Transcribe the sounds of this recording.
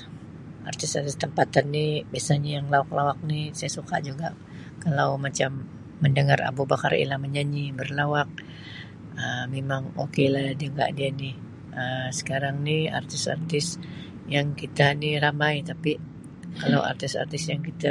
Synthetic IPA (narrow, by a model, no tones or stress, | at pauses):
a̰rt̪ɪsart̪ɪst̪əmpat̪anːibiasaɲajaŋlawaklawak̚nisajasuka̰ʔd͡ʒuɡaʔ | kalawmat͡ʃamː | əndəŋara̰bubaka̰rḭlaməɲaɲibərlawak̚ | əmemaŋo̰kelahdadiŋɡa̰ʔdianɪh | əsə̥kaɾaŋnɪa̰rt̪ɪsa̰rt̪ɪs | jaŋkit̪aniɾamait̪api | kalawʔa̰rt̪ɪsa̰rt̪ɪsjaŋkit̪a